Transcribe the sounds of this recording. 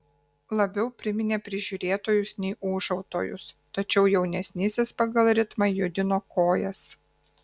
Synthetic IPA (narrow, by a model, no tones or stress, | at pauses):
lˠɐbʲɛʊpʲɾʲɪmʲɪnʲeːpʲɾʲɪʒʲuːɾʲeːt̪oːjʊsnʲɛɪʔuːʒɐʊt̪o̰ːjʊ̰st̪ɐt͡ʃʲɛʊjɛʊnʲɛsʲnʲɪsʲespɐɡɐlˠɾʲɪt̪mɐjʊd̪ʲɪnoːkoːjɛs